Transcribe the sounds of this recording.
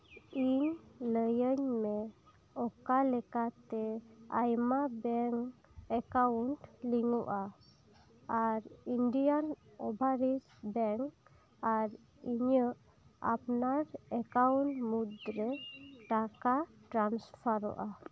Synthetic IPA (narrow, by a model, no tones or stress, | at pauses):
iɲləjəɲmɛ | ɔkalɛkat̪ɛa̰jmabɛŋ | ɛkaunʈliŋuʔa | ɾinɖijanɔbʱaɾisbɛŋ | aɾ | iɲəʔ | a̰pnaɾɛkawuɳʈmud̪ɾɛʈakaʈɾanspʰaɾɔ̰ʔa